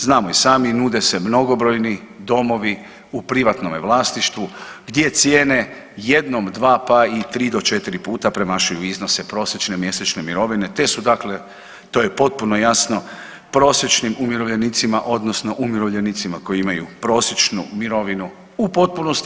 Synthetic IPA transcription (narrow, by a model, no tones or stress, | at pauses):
znaːmoisaːminuːd̪e̞se̞mno̞ɡo̞bɾo̞jni | d̪o̞mo̞ʋi | upɾiʋat̪nomeʋlˠaːsniʃt̪ʋuɡd̪je̞t̪sjeːne̞ | je̞d̪no̞md̪ʋaːpait̪ɾiːd̪o̞t͡ʃe̞t̪iɾipuːt̪apɾe̞maʃujuizno̞sepɾo̞ːsjet͡ʃne̞mje̞set͡ʃne̞miɾo̞ʋine̞t̪e̞sud̪akle̞ | t̪o̞ːje̞po̞t̪̚puno̞jasno̞ | pɾo̞sje̞t͡ʃnimumjiɾoʋʎe̞nit̪simaʔo̞d̪nosno̞ʔumiɾoʋʎe̞nit̪simako̞iimajupɾo̞ːsjet͡ʃnṵmiɾo̞ʋinu | upo̞t̪̚punost̪